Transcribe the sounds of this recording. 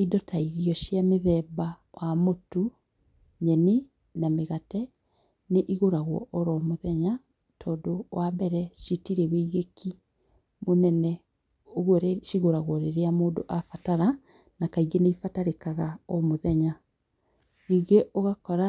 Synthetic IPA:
idɔtʰaiɣijɔʃjameðɛːbawamotu | ɲɛne | nameɣatɛ | neʔiɣoɾaɣwɔ̰ʔɔɾɔmoðɛɲa | tʰɔːdowabɛɾɛʃitiɾɛweiɣeki | monɛnɛ | oɣɔɾeʃiɣoɾaɣwɔɾeɾeamoːdo̰ʔafataɾa | nakaiɣɡeneifataɾekaɣaɔmoðɛɲa | iɡeʔoɣakɔɾa

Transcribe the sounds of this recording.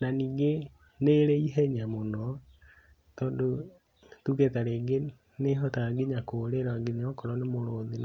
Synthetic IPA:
naniːŋɡe | neɾeiɦɛɲamonɔ | tɔːndo | tuketaɾeːɡe | neɦɔtaɡeɲakoːɾeɾaaɡeɲeɔkɔɾɔnemoɾoːðin

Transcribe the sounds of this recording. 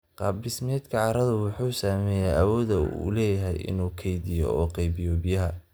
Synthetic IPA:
qɑːblɪsmɛd̪kʰɐʕɑɾɐðɐwʊħuːsaːmɛːjɛjɐwɔːðɐṵlɛːjɐɦɛ̰jʔɪ̰nuːkʰɛjðɪjɔ̰ɔːqɛjbɪjɔbɪjɐɦɐ

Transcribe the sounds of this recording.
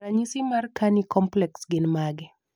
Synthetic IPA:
aɲisimarkanikɔmplɛksɡɪnmaɡɪ

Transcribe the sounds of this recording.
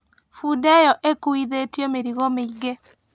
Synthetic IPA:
fudɛjɔʔekuiðetjomeɾiɣomɪt͡ʃɡe

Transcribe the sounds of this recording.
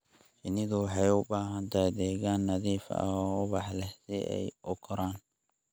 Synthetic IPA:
fɪnɪðʊwɑħɑjʊbaːɦɐnt̪ʰajd̪ɛːɣaːnːɐðiːfɐ̰ɔːʊβɑħlɛhsɪʔɛ̰jʔʊkʰɔɾaːn

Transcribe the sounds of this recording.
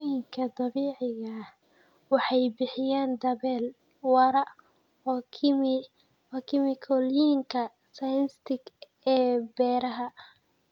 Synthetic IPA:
jɪŋkʰɐd̪ɑβiːʕɪɣɐh | wɑħɑjbɪħɪjaːnd̪ɐβɛːl | wɑɾɐ | m | wkʰɪmɪkʰɔljiŋkʰɐ | sajɪnst̪ɪɡ | ɛːbɛːɾɐɦɐ

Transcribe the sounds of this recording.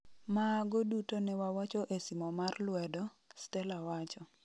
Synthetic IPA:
maɡodutonɛwawat͡ʃɔʔesimɔmarlwɛdɔ | stɛlawat͡ʃɔ

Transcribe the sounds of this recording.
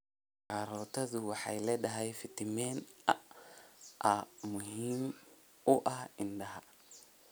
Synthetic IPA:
kaɾɔːt̪ʰɐðʊwɑħɑjlɛːɖɐɦɛjfɪt̪ɪmɛːnɐ | ʔɐmʊhiːm | ʊʔɐhɪnɖɐɦɐ

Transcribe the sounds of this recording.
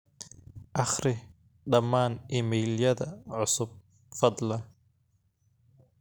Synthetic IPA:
ʔɑχɾɪ | ɖɑmːaːnʔɪmɛːljɐðɐʕʊsʊb̚ | fɑd̪ˤlɐn

